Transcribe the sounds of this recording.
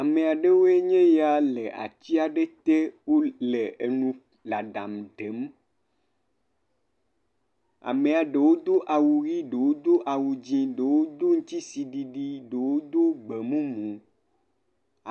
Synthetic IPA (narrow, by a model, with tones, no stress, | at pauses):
a˨me˨a˨ɖe˦wo˦e˦ɲẽ˦ja˨le˨ʔa̰˨t͡ɕ̪i˦a˨ɖe˦t̪e˦wo˦le˨e˨nũ˦ | la˨ɖa˨md̪e˨˦m | a̰˨me˨a˨ɖe˨wo˦d̪o˦ʔa˨wu˨ɣi˦ɖe˨wo˦d̪o˦ʔa˨wu˨d͡ʑĩ˦ɖe˨wo˦d̪o˦ŋũ˦t̪i˦si˨ɖi˨ɖi˦ɖe˨wo˦d̪o˦ɡ͡be˨mũ˦mũ˨ | a˨